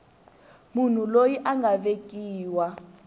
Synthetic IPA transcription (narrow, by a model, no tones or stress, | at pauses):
mun̤ulojiʔaŋɡʱavekʼiːwa